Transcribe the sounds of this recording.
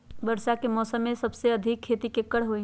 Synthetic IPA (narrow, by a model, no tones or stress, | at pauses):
bəɾʃakemɔːsəmːẽsɐbseɐd̪ʱɪkʰːeːt̪ikekːəɽɦoĩ